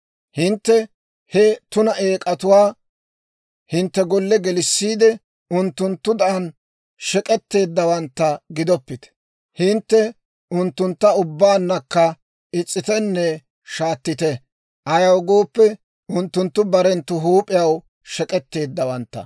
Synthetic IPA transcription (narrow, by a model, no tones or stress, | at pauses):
hɪnt̪ːɛ | hɛt̪ʊnɐʔeːkʼɐt̪ʊwaː | hɪnt̪ːɛɡɔlːɛɡɛlɪsːiːd̪ɛ | ʊnt̪ːʊnt̪ːʊd̪ɐʔɐn | ʃɛkʼɛt̪ːe̞ːd̪ːɐwɐnt̪ːɐɡɪd̪ɔpːɪt̪ɛ̥ | hɪnt̪ːɛ | ʊnt̪ːʊnt̪ːɐʊbːaːnːɐkːɐ | ɪt͡sʼːɪt̪ɛnːɛ | ʃaːt̪ːɪt̪ɛ | ʔɐjɐwɡoːpːɛ | ʊnt̪ːʊnt̪ːʊbɐɾɛnt̪ːʊɦuːpʼɪjɐw | ʃɛkʼɛt̪ːe̞ːd̪ːɐwɐnt̪ːɐ̰